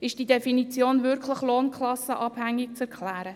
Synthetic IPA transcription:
ɪʃd̥idefinit͡sjoːnvɪɾkʰləχloːnkʰlɑsəʔɑb̥hæŋːɪk̚t͡sɛɾkʰlæːɾə

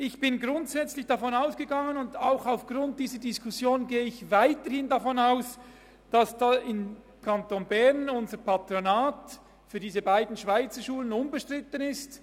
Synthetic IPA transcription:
ɪçb̥ɪnɡɾʊntsɛt͡slɪçd̥afɔnaʊsɡ̥əɡɑŋənʊndaʊxaʊfɡ̥ʁʊnt̚d̥iːzədɪskʰʊsjoːnɡeːəɪçvaɪtəhɪndafɔnaʊs | d̥asd̥aːɪm | kʰantonbɛʁnʊnzəpatronaːt | fyːɐdiːzəbaɪdn̩ʃv̥aɪt͡səʃuːlənʊnbəʃtʁ̥ɪtənɪst

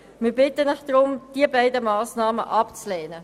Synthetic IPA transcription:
mɪːɐbɪtənɪxd̥ʁʊmd̥iːəbaɪdəmaːsnaːmə̰ʔɑpt͡slɛːnə

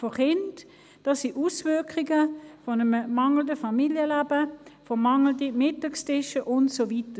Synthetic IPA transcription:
foχɪnt | d̥ɑsiʔusvʏɐkχiɡəfonəmmɑŋl̩dəfɑmiljəlæːb̥əfomɑŋl̩dimɪtɑkstɪʃəʔʊntsovitə

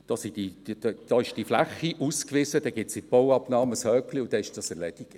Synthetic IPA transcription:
d̥ɑsid̥i̥d̥ɑɪʃd̥iflæχːiʔuskʋɪzədɛɡ̥ɪtsɪt̚b̥owɑpnɑːməshœːkliʊd̥̪ɛɪʃd̥ɑsɛɾlɛd̥iɡ̥

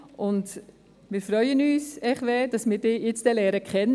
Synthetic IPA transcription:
ʔʊnt | mɪːɾfɾœʏənyːsɛχʋɛd̥ɑsmɪːɾd̥ɪːjɪt͡sd̥ɛlɛːɾəkχɛnː

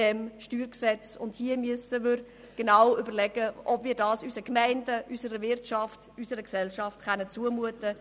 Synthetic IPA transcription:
ɛmʃtyːɾksɛt͡sʊndhiəmyəsəʋøɾ | ɡ̥enawʏbəlɛɡəɔbviːɾdɑːsysəkmɛɪndəʔysəɾəvɪɾtʃɑftysəɾəksɛlʃɑftχɛnət͡suəmuətə

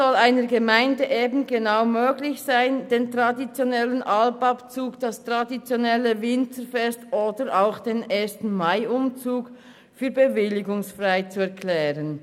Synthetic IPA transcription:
ɔlaɪnəɾɡəmaɪndəʔeːbn̩ɡenaʊmøːɡlɪçsaɪndeːntʁadit͡sjonɛlənʔɑlpɑpt͡suːkd̥ɑstʁ̥adit͡sjonɛləvɪntəfɛstʔoːdəɾʔaʊxd̥eːneːstn̩maɪʔʊmt͡suːk | fyːɐbəvɪlɪɡʊŋsfʁaɪt͡suɛɐkʰlɛːʁən

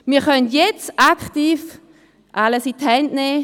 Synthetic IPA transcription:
miːɐχœntjɛt͡stakχtiːf | ʔaləsithɛndneː

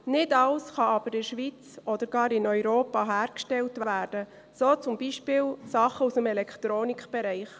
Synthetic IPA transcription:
nɪdɑlsχɑɑb̥əɾɪʃʋit͡sʔɔd̪əɾɡɑːɾɪnœʏɾoːpɑɦæːɾkʃtɛltʋʋæːɾd̥ə | soːt͡sʊmbiʃpɪːlsɑχəusəmɛlɛkʰt̪ɾoːnikχb̥ɛɾɛɪχ

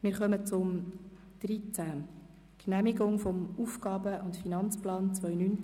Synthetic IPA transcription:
mɪːɾχœmət͡sʊm | d̥rit͡sæ | knæmiɡʊŋfɔmuːfɡ̥ɑːbəʔʊntfinɑnt͡splɑːnt͡sʋœjnyn

